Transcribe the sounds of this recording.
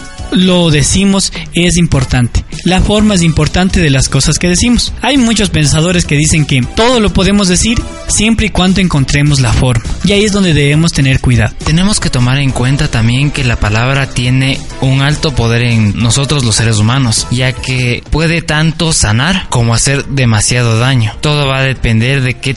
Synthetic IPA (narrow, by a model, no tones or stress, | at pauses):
lo̞ðe̞simo̞se̞s̬impo̞ɾt̪ant̪elafo̞ɾmaes̬impo̞ɾt̪ant̪e̞ðelasko̞saske̞ðesimosajmut͡ʃo̞spe̞nsað̞o̞ɾeske̞ðise̞ŋke̞t̪o̞ð̞o̞lo̞po̞ðe̞mo̞zðe̞siɾ | sje̞mpɾeikwand̪o̞eŋko̞nt̪ɾe̞mo̞zlafo̞ɾmaiaie̞zðo̞nd̪e̞ðe̞βemo̞st̪e̞ne̞ɾkwiða̰ðot̪e̞ne̞mo̞ske̞t̪o̞maɾe̞ŋkwe̞nt̪at̪ambje̞ŋke̞lapalaβɾat̪je̞ne̞ | uŋalt̪o̞po̞ðe̞ɾeŋno̞so̞t̪ɾo̞zlose̞ɾesumano̞sʝakepwe̞ðe̞t̪ant̪o̞sanaɾko̞moase̞ɾðe̞masjað̞o̞ðaɲo̞t̪o̞ðo̞βaðe̞pe̞nd̪e̞ɾðe̞ke